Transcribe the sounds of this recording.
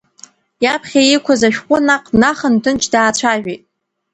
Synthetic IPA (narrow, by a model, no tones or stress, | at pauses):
japʰχʲajikʷʰazaʃᶣqʷʼʊnaqʼnaχəntʰɨnt͡ʃʰdaːt͡ɕʷʰaʒᶣitʼ